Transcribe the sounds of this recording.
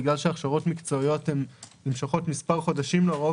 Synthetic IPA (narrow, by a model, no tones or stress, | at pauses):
ɡlalʃeaχʃaʁo̞tmikt͡so̞ijo̞temlimʃaχo̞tmispaʁχo̞daʃimleʁo